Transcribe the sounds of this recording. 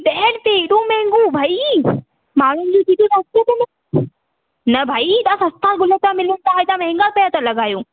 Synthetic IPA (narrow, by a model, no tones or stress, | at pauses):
ɗ̪ɛːnpeːɗũmɛ̃ɦɪ̃ŋɡubʱaːi | maːɳ̤ʊnɪ̆d͡ʑõːtiːt̪ũsɐst̪ot̪emɪ | nɐbʱaːit̪ãːsɐ̃st̪aːlɡʊlət̪ãmɪlʊnɪ̆t̪aːɦet̪ãːm̃ɦɛ̃ŋɡalpejat̪alɐɡaːjũː